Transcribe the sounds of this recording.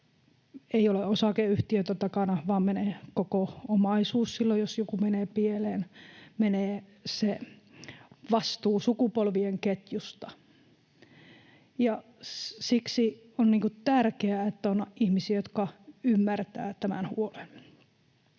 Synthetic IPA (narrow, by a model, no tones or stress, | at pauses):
eioleosɑkeyht̪iøt̪øt̪ɑkɑnɑʋɑːmmeneːkokoomɑisuːssilːojosjokumeneːpieleːnmeneːse | ʋɑst̪uːsukupolʋieŋket̪just̪ɑ | jɑ | siksi | onniːŋkut̪ærkeæet̪ːæonɑʔʔihmisiæjot̪kɑymːært̪æ̰ːt̪æmænhṵolen